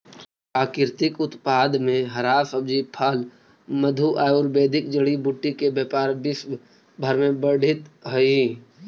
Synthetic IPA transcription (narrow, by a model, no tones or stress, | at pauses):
aːkɪɾt̪ɪkʊt̪paːd̪mẽɦəɾaːsəb̚d͡ʒipʰəl | məd̪ʱuʔaːjuɾbeːd̪ʱɪk̚d͡ʒəɽibuʈːikebeːpaːɾbɪs | bʱəɾmẽbəɽ̤ʱɪt̪ɦəi